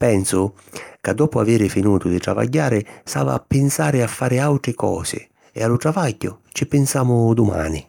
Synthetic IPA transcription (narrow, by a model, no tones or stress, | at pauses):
pɛnsʊ | kad̪ːɔːpʊaveːɾɪfɪnuːt̪ʊd̪ɪt̪ɾa̰va̰ɟːaːɾɪsa̰ːva̰ːpːɪnsaːɾɪafːaːɾɪawt̪ɾɪkɔ̰ːsɪ̰ | ɛ̰alʊt̪ɾavaɟːʊt͡ʃɪpɪnsaːmʊd̪ʊma̰ːnɪ